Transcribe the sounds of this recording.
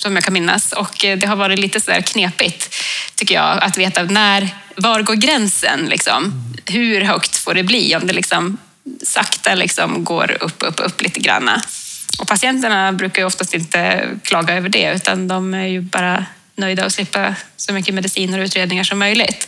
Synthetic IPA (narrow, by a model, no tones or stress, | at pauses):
sɔmjɑːkʰanmɪnːa̰sɔkd̪ɛɦaɾvɑːɾɪt̪liːt̪əsɔd̪æ̰ːɾkʰneːpɪt̪ʰːʏkːəjɑ̰ːat̪veːt̪anæɾvaɾɡoːɾɡɾɛnsə̰nlɪ̰ksɔ̰mɦʉɾɦœkt̪foːɖɛbliːɔmd̪ɛlɪksɔm | sa̰kt̪alɪ̰ksɔ̰mɡo̰ːɾɵ̰pːɵ̰pːɵ̰pːlḭːt̪əɡɾa̰nːa̰ɔpʰasɪɛnt̪əɳabɾʉ̟ːkaɾjɵɔft̪ast̪ɪnt̪ə̰kʰlɑːɡaøːvəɖɛ̰ʉ̟ːt̪a̰nd̪ɔmæɾjɵbɑ̰ːɾa | nœjd̪aɔslɪpːasɔmʏkːəmɛd̪ɪsiːnəɾɔʉːt̪ɾeːd̪nɪŋaʂɔmːœjlɪt̪